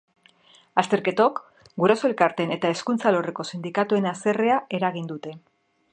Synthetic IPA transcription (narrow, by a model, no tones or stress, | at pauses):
ast̪e̞ɾke̞t̪o̞k | ɡuɾasoe̞lkaɾt̪e̞ne̞t̪ae̞skunt͡salo̞re̞ko̞sind̪ikat̪ue̞nase̞re̞ae̞ɾaɣind̪ut̪e̞